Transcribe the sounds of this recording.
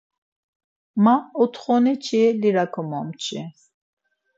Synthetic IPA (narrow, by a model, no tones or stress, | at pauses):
maɔt̪χɔnɛt͡ʃʰɛliɾakʰɔmɔmt͡ʃʰḭ